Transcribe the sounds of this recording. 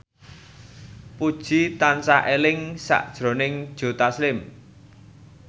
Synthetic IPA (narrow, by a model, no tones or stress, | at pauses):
pud̥ʒ̥i̤t̪ansaʔelɪŋsa̰ʔd̥ʒ̥ɾo̤nɪŋd̥ʒ̥o̤t̪aslɪm